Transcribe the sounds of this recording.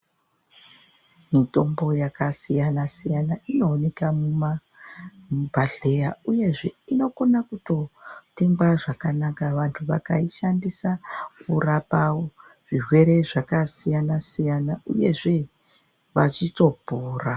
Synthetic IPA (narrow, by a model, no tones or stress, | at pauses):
mito̞mbo̞jakasijanasijanaʔino̞ːne̞kamuma | bʱaɮe̞jauje̞ʐe̞ino̞ko̞nakuto̞te̞ŋɡwaʐakanakaʋantʰuʋakaiʃandisakurapao | ʐ̥irwe̞ɾe̞ʐakasijanasijanaʔuje̞ʐe̞ | ʋat͡ʃito̞bʱuːra